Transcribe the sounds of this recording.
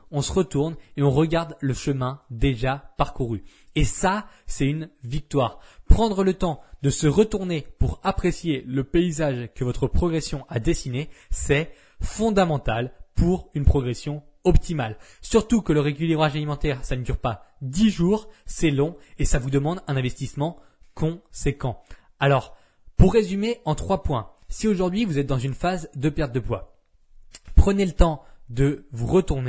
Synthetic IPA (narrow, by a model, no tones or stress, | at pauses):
ɔ̃səʁət̪uʁneɔ̃ʁəɡaʁd̪ləʃəmɛ̃d̪eʒapaʁkuʁyesasɛt̪ynvik̚t̪waːʁpχɑ̃d̪ʁələt̪ɑ̃d̪əsəʁət̪uʁnepuʁapχesjeləpeizaʒkəvɔt̪χəpχɔɡʁesjɔ̃ʔad̪esinesɛ | fɔ̃d̪amɑ̃t̪alpuʁynpχɔɡʁesjɔ̃ | ɔp̚t̪imal | syʁt̪ukələʁekʲylibʁaʒalimɑ̃t̪ɛʁsanəd̪yʁpad̪iʒuːʁsɛlɔ̃esavud̪əmɑ̃d̪ɛ̃nɛ̃vɛst̪ismɑ̃ | kɔ̃sekɑ̃ | alɔʁ | puʁːezymeɑ̃t̪χwapwɛ̃ | sioʒuʁd̪ɥivuzɛt̪̚d̪ɑ̃zynfazd̪əpɛʁt̪̚d̪əpwa | pχənelət̪ɑ̃d̪əvuʁət̪uʁne